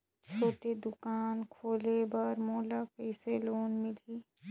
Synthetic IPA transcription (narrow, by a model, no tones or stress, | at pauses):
t͡ʃoːʈed̪ʊkaːnkʰoːlebəɾmoːlapɛːseloːnmɪliː